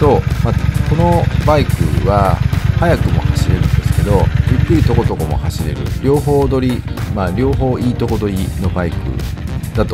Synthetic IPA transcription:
t̪o̞mako̞no̞baikɯ̟̰βahajakɯ̟mo̞̰haɕiɾe̞ɾɯ̟̃nd̪e̞sɨ̥ke̞d̪o̞jɯ̟kːɯ̟ɾʲit̪o̞ko̞t̪o̞ko̞mo̞̰haɕiɾe̞̰ɾɯ̟̰ɾʲo̞ːɦo̞ːd̪o̞ɾʲi | maɾʲo̞ːɦo̞ːiːt̪o̞ko̞d̪o̞ɾʲino̞baikɯ̟̰ | d̪̥at̪o

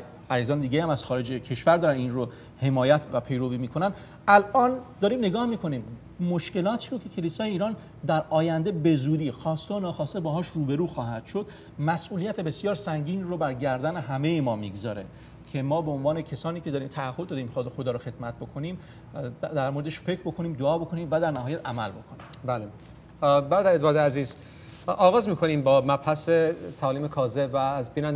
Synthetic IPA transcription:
æziːzɒːned̪iɟʲejhæmæz̥xɒːɾe̞d͡ʒecʰe̞ʃvæɾd̪ɒːɾæniːnro | he̞mɒːjæt̪ʰvæpʰe̞jɾoviːmiːkʰo̞næn | ælʔɒːnd̪ɒːɾiːmne̞ɡɒːhmiːkʰoniːm | moʃce̞lɒːt̪ʰiːɾocʰe̞cʰe̞liːsɒːjeiːɾɒːn | d̪æɾɒːjænd̪e̞be̞zuːd̪iːxɒːst̪eonɒːxɒːst̪ebɒːɦɒːʃruːbe̞ɾuːxɒːɦæd̪̥ʃod̪̥ | mæsʔuːlijæt̪ʰe̞be̞sjɒːɾsæŋɟiːnrobæɾɟæɾd̪æne̞ɦæme̞jemɒːmiɡzɒ̰ːɾe̞̰ | cʰe̞mɒːbe̞onvɒːnecʰesɒːniːcʰeɒːɾiːmt̪ʰæːhːod̪ːɒːd̪iːmxɒːd̪exo̞d̪ɒːɾoxe̞d̪̥mæt̪̚bo̞kʰo̞niːm | d̪æɾmoɾed̪eʃfe̞cʰɾbo̞kʰo̞niːmd̪oɒːbo̞kʰo̞niːmvæd̪æɾnæɦɒːjæt̪æmælbo̞kʰonḭːmbæːle | bæɾɒːd̪æɾed̪ːd̪eæziːz | ɒːɣɒːzmiːkʰoniːmbɒːmæbhæset̪ʰæɒːliːmekʰɒːzebvæːzbiːnænd

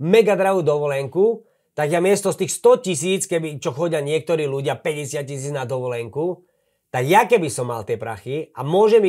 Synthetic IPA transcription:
mɛɡad̪ɾaɦuːd̪ɔʋɔlɛŋku | t̪aɡjamɪɛst̪ɔst̪iːxst̪ɔcisiːt͡skɛbit͡ʃɔxɔɟɪaɲɪɛk̚t̪ɔɾiːluɟɪapɛɟɛsɪat̪̚cisiːd͡znad̪ɔʋɔlɛŋku | t̪aɡjakɛbisɔmːa̰lt̪ɪɛpɾa̰xiamʊɔʒɛm

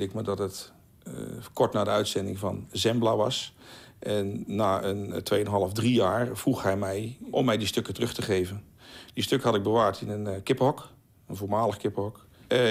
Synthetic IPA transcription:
ɪkmədɔtət | kʰɔɹtnaːdəœɥtsɛndɪŋvɑnzɛmblaʋɑ̰sʔɛnːaːəntʋejənɦɑlˠəfdrijaːɹvruxhɛjmɛjʔɔmːɛjdistøkətərɵxtəχeːvən | distøkəɦɑtɪɡ̚bəʋaːɹtɪnənkɪphɔk | ənvoɹmaːləxkɪpɔk

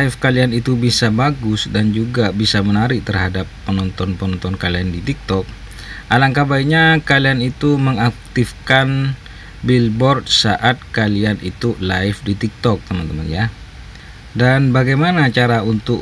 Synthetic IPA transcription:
laifkalianit̪ubisabaɡʊsdand͡ʒuɡabisamənaɾɪt̪ərɦadapːənɔnt̪ɔnpəɔnɔnt̪ɔnkaliandit̪ik̚t̪ɔk̚ | ʔalaŋkabaiɲakalianit̪uməŋak̚t̪ifkan | bilbɔrd̪̚saʔat̪̚kalianit̪ulaɪfdit̪ik̚t̪ɔk̚t̪əmant̪əma̰nja | danbaɡajmanat͡ʃaɾaunt̪ʊ

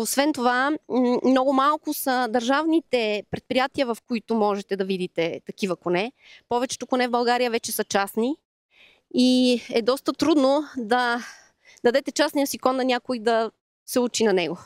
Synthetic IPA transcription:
osvɛnt̪ovamnɔɡʊmalˠkʊsɐd̪ɐɾʒavnit̪ɛpɾɛt̪pɾijat̪iəvɐfkoit̪ʊmɔʒɛt̪ɛd̪ɐvid̪it̪ɛt̪ɐkivɐkonɛ | pɔvɛt͡ʃɛ̥t̪okonɛvbɐlˠɡaɾijəvɛt͡ʃɛsɐt͡ʃasni | iɛd̪ɔst̪ət̪ɾud̪nod̪ɐ | d̪ɐd̪ɛt̪ɛt͡ʃasnijəsikɔnːɐnʲakʊid̪ɐ | sɛut͡ʃinɐnɛɡo

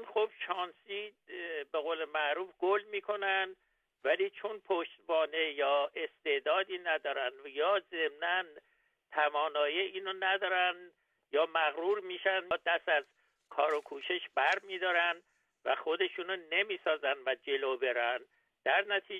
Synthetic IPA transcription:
nxob̥ʃɒːnsi | be̞ɣoːlemæʔɾuːfɡ̥olmiːkʰo̞nænd̪ | væliːt͡ʃʰonpʰoʃt̪bɒːne̞jɒːʔe̞st̪e̞d̪ɒːd̪iːnæd̪ɒːɾænd̪jɒːze̞mnæn | t̪ʰævɒːnɒːjiʔiːnonæd̪ɒːɾænd̪ | jɒːmæɣɾuːɾmiːʃænd̪æsæz | kʰɒːɾokʰuːʃeʃbæɾmiːd̪ɒːɾænd̪ | væ̰xo̞d̪e̞ʃuːnone̞miːsɒːzænd̪væd͡ʒe̞lobe̞ɾæn | d̪̥æɾnæt̪ʰiː

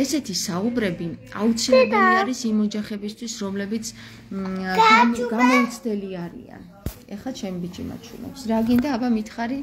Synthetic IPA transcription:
ɛsɛt̪ʰisaubɾɛbia̰ut̪sʰilɛbuliaɾisimɔd͡ʒaχɛbist̪ʰwisɾɔmlɛbit̪sʰ | ɡaɡamɔt̪sʰd̪ɛliaɾḭa̰n | ɛχat͡ʃʰɛmibit͡ʃʼḭma̰t͡ʃʰwṵnɛ̰psɾaɡind̪aːbamit̪ʰχaɾi

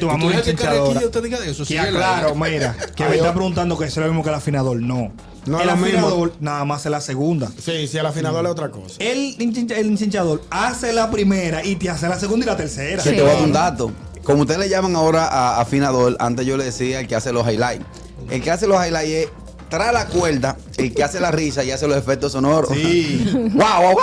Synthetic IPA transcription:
t̪uβamot͡ʃiɲaðoɾut̪eðiɣaðeesosaklaɾomiɾakemet̪apɾeɣunt̪and̪okeesoelomismokelafinaðo̞lnõ | noelaminaðoɾnaðamaselaseɣund̪asisielafinaðoɾeot̪ɾako̰sḁelint͡ʃiɲt͡ʃelinsiɲt͡ʃaðo̞ɾaselapɾimeɾait̪eas̬elas̬eɣund̪ilat̪eɾseɾaset̪eβaðund̪at̪o | komout̪eðeleʝamaŋao̞ɾaʔaːfinaðo̞la̰nt̪esʝo̞le̞ðesiaelkeaseloɦajlaj | elke̞aselohajlajes | t̪ɾalakwe̞ld̪a | elkeaselarisaiaselo̞sefek̚t̪osono̞ɾossi | wawaw

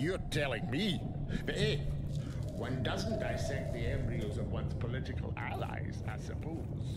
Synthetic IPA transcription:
jə˞tʰɛlˠɪ̃ŋmi | ðɪ | wʌ̃ndʌz̃n̩d̥aɪsɛk̚t̪̚ðiɛ̃mbɹiəʊzʌvwʌ̃nz̥pʰəlɪɾɨkʰəl̩ˠæ̰la̰ɪzə̥sɨpʰo | z̥

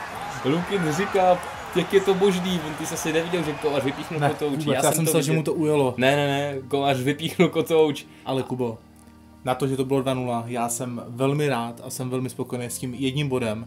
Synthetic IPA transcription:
lukɪnrɪkaː | jakːjɛt̪o̞boʒdiːvont̪ɪsasɪnɛvɪɟɛlʒɛkovarvɪpiːxnuot̪owt͡ʃaːsjaːɛmsɛlʒɛmut̪oʔujalonɛnɛnɛkovarvɪpiːxnukot̪owt͡ʃ | ʔalɛkubo | nat̪oʒɛt̪obɪlo̞dvanulajaːsɛmvɛlmɪɾaːt̪asɛmvɛlmɪspokojnejscimjɛdɲimbo̞dɛm

